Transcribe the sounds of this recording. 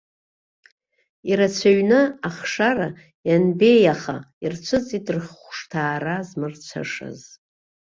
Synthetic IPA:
iɾat͡ɕʷʰaɥnɨaχʂara | janbe̞jaχa̰irt͡ɕʷʰɨt͡sʼidʼrχʷʂtʰaːrazmɨrt͡ɕʷʰa̰ʂa̰z

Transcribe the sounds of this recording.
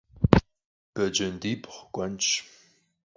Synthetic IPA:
b̥ɐd͡ʒɐndiːpʰχɡʷʼɐnt͡ʃ

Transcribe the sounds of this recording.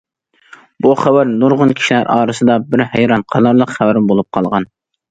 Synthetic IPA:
buχæwæɾnoɾʁʊnkʲʰi̥ʃilæ̰ɾʔɑːɾɨsɨd̪ɑbɪɾhæjɾɑnqʰɑlˠɑɾlˠəqχæwæɾmbolˠup̚qʰɑlˠʁɑn

